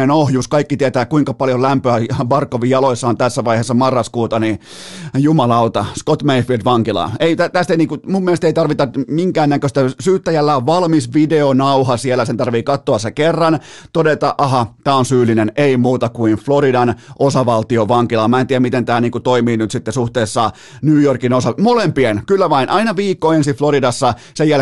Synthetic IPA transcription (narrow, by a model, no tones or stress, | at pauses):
enohjuskɑikːit̪iet̪æːkuiŋkɑpɑljolæmpøæʋɑrkːoʋijɑloisːɑːnt̪æsːæʋɑiheːsːɑmɑrːɑskuːt̪ɑni | jumɑlɑut̪ɑskot̪meifˑiltʋɑŋkilɑ̰eit̪æt̪æst̪einiːŋkumumːielest̪eit̪ɑrʋit̪ɑmiŋkæːnnækøst̪æsyːt̪ːæjælːæoʋʋɑlmisʋideonɑuhɑsielːˑæsent̪ɑrʋiːkɑt̪ːoɑsekerːɑn | t̪odet̪ɑʔʔɑɦɑt̪æːonsyːlineneimuːt̪ɑkuinfloɾidɑnʔosɑʋɑlt̪ioʋɑŋkilɑmæˑent̪iːæmit̪ent̪æːniːŋkut̪oimiːnyt̪sit̪ːesuht̪eːsːɑ | nyːjorkinosɑmolempienkylːæʋɑinʔɑinɑʋiːkːoensifloɾidɑsːɑ | sejæl